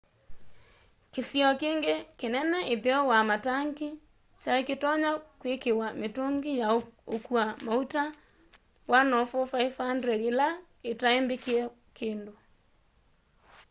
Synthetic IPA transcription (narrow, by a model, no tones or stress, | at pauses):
kesjɔkeːŋɡekenɛnɛʔeðeɔwamataŋki | t͡ʃaeketɔɲakwekewametoŋɡijaokuamauta | wanɔfɔfaifandɾɛɾila | etaembekiɛ | keːndo